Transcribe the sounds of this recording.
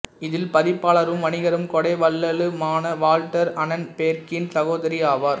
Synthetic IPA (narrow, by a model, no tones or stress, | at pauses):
ɪðɪlpɐðɪpːaːɭɐɾɯmʋɐnɪɣɐɾɯmkɔɽɐɪʋɐlːɐlɯmaːnɐʋaːlʈɐɾɐnɐnpeːɾkɪnsɐɣoːðɐɾiaːʋaːɾ